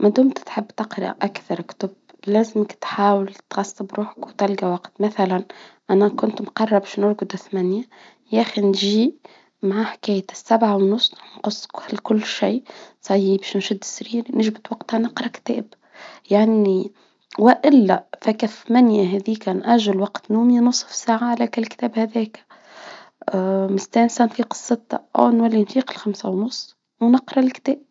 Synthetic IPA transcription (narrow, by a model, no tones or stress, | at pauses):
mæd̪uːmt̪t̪ħɪbːt̪ɑqɾˤɑ̰ʔakθɑɾˤkt̪ʊb | læːzɪmɪkt̪ħaːwɪlt̪ɣɑsːəbɾuːħḁkwt̪ɪlɡawɑqt̪maθalanʔænækʊnt̪mqɑrˤːɑbæʃnʊɾɡʊd̪aθmænja | jæxinʒi | maʕaħkæːjɪsːabʕawnːʊsˤːħnqʊsˤːklkʊlːʃiːsˤɑjːibeːʃnʃʊd̪ːɪ̥sːɾiːɾnɪʒbɪt̪waɡt̪hanɪqɾˤɑkt̪æ̰ːb | jaʕni | waʔɪlːafakaθmanjaɦɛːðiːkanʔaʒalwaqt̪nuːminʊsˤːfsaːʕaʕlækalkt̪æːbhæðɛːk | mɪst̪æːnsanfiːqɨ̥sˤːɨt̪ɑ̰ʔa̰wnwalːinfiːqɪlxamsawnʊsˤː | wnɪqɾˤɑlkt̪æːb̥̚